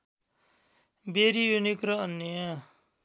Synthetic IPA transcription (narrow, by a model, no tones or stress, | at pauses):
beɾijunikɾʌːnːʌjʌ